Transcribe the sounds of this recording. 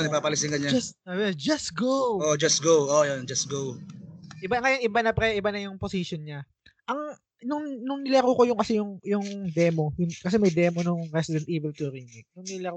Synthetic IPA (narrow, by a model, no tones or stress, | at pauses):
nɐɡ̚paːpɐlɪsɪŋɡɐɲɐabd͡ʒɐst̪ɡowod͡ʒɐs̚ɡowojond͡ʒɐst̪̚ɡowʔɪbaŋɐjonʔɪbanɐpɾɛʔɪbanɐjʊŋposiʃjonɲa | ʔɐŋ | nʊŋnʊŋnɪlɐɾukojʊŋkɐsɛjʊŋjʊŋd̪ɛmo̞jʊŋkɐs̬ɛmɐjd̪ɛːmonʊŋɾɛsɪd̪ɛnt̪̚ʔiːbɛlt̪ʊɾiŋɪk̚nʊŋnɪlɐ